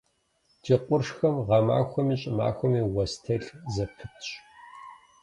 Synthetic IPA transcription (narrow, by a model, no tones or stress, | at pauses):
dʰiːqʷʼʊrʂxɐmʁɐma̰ːxʷɔmiːɕʼɪma̰ːxʷɔmiːwɐstʰɐɬzɐpʰɨtʰɕʼ